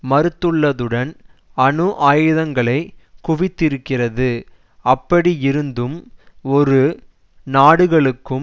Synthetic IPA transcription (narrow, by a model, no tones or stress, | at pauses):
mɐɾɯt̪ːɯɭːɐðɯɽɐnɐnɯʔaːjɯðɐŋɡɐɭɐɪkʊʋɪt̪ːɪɾɯkːɪrɐðɯ | ɐpːɐɽiɪɾɯnd̪ɯmɔɾɯ | naːɽɯɣɐɭɯkːɯm